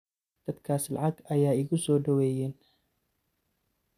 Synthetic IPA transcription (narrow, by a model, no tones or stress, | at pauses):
d̪̥ɐd̪kʰaːslɑ̰ʕɑɡɐjaːɪɣʊsɔːɖɐwɛːjɛːn